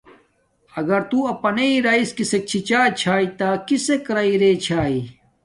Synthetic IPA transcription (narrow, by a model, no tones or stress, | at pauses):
ɐɡɐɾt̪uːɐpɐneiɾaiskisek̚t͡ɕʰit͡ɕaːt͡ɕʰaːit̪akisekɾaiɾeːt͡ɕʰaːi